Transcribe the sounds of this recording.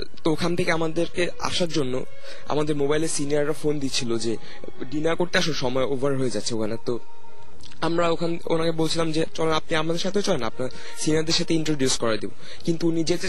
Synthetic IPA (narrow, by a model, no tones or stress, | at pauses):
t̪ookʰant̪ʰekeamad̪eɾke | a̰ʃaɾd͡ʑonːo̰ | a̰mad̪eɾmobajleɾsiniaɾːafond̪itt͡ɕʰilod͡ʑe | ɖinaɾkoʈ̚ʈ̪ːiaʃoʃɔmɔeovʱaɾɦoed͡ʑatːɕʰeokʰanat̪o | amɾaokʰan | o̰nakebolt͡ɕʰilamd͡ʑet͡ɕɔlenap̚niamad̪eɾʃat̪ʰeot͡ɕɔlenaa̰pnaɾ | siniaɾd̪eɾʃat̪ʰeiɳʈɾoɖjuskɔɾad̪ibo | kint̪uunid͡ʑee